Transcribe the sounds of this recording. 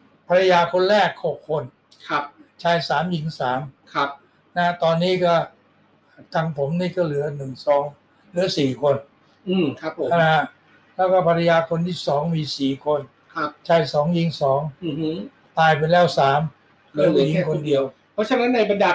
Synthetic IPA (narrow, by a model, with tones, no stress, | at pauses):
pʰa˧ɾa˧jaː˧kʰo˧nɾɛː˥˩k̚ho˨˩kʰːo˧n | kʰa˦˧p̚t͡ɕʰaː˧jsaː˩˦mji˩˦ŋsaː˩˦mkʰa˦˥ | na˧a˥t̪ɔː˧nːiː˦˥kɔː˥˩˨ | t̪a˧ŋpʰo˩˦mniː˥˩kɔː˥˩lɯ˩˦ɐnɯ˨˩ŋsɔː˨˩˦ŋ | lɯ˩˦ɐsiː˨˩kʰo˧n | ɯː˨˧˩a˦˧˨a˧˩˧a˧˥ | lɛː˦˥˩wkɔː˥˩pʰa˧ɾa˧jaː˧kʰo˧nt̪ʰiː˥˩sɔː˩˦ŋmiː˧siː˨˩kʰo˧n | kʰa˦˧t͡ɕʰaː˧jsɔː˩˦ŋji˨˦ŋsɔː˩˦ŋ˧˦ | t̪aː˧jp̬a˧jlɛː˦˥˩wsaː˩˦m | lɯ˩˦a˨˩ji˨˧˦ŋkʰo˧ndi˧əw | pʰɔ˦˥t͡ɕʰa˧na˦˥nːa˧jba˧ndaː˧